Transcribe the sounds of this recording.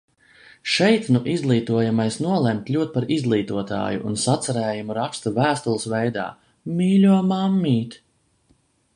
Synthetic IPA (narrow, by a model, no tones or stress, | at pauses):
ʃɛjt̪nuʔizlˠiːt̪uɔjamajsnuɔlˠɛmt̪lʲuɔt̪̚paɾizɡlˠiːt̪uɔt̪a̰ːjṵʔːnsat̪saɾɛːjumuɾakst̪uvæːst̪ulˠɨsvɛjd̪a̰ː | miːlʲuɔmamːiːt̪